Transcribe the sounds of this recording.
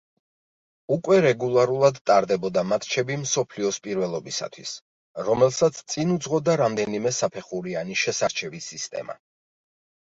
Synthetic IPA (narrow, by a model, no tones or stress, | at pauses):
ukʼwɛɾɛɡulˠaɾulˠad̪t̪ʼaɾd̪ɛbɔd̪amat̪ʰt͡ʃʰɛbimsɔpʰliɔspʼiɾvɛlˠɔbisa̰t̪ʰwḭs | ɾɔmɛlˠsat̪sʰt̪sʼinud̪zʁɔd̪aɾamd̪ɛnimɛsapʰɛχuɾianiʃɛsaɾt͡ʃʰɛbisist̪ʼɛ̰ma̰